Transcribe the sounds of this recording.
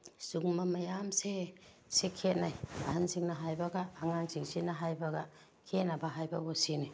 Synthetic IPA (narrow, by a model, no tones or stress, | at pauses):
suŋmamɐjamse | sekʰet̚najahanziŋnɐɦajbaɡaːŋaŋziŋsinaɦajbaɡa | kʰet̚nabaɦajbabosini